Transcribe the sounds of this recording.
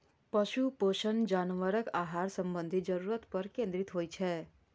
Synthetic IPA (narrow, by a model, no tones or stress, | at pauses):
pəʃupoʃənd͡ʒaːnʋəɾəkaːɦaɾsə̃mbə̃nd̪ʱid͡ʒəɾuɾət̪pəɾkẽnd̪ɾit̪ɦoːjt͡ʃʰɛ